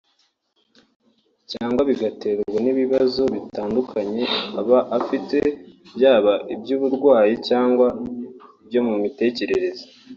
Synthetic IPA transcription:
caːŋɡwaβiɡate̞ɾɡɡweniβiβazo̞βitaːndukʰaɲe̞aβaʔafite̞bjaːβaʔibjuːβuɾɡwaːjicaːŋɡwaibjo̞mumite̞ːce̞ɾe̞ɾe̞zo

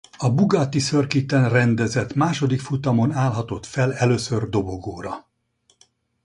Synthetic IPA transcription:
ɒbuɡat̪isørkit̪ɛnrɛnd̪ɛzɛt̪maːʃo̞d̪ikfut̪ɒmo̞naːlɦɒt̪o̞t̪fɛlɛløːsørd̪o̞bo̞ɡoːɾɒ

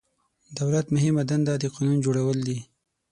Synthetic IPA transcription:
d̪awlat̪mʊɦɪmad̪and̪ad̪əqɑnund͡ʒoɽawəld̪i

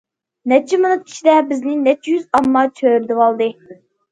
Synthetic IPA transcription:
nɛt͡ʃʰːimɨnɨp̪̚kʲʰi̥ʃid̪ɛbɪznɪnɛt͡ʃʰːjyzɑmːɑt͡ʃʰøːɾd̪ɪwɑlˠd̪ɨ

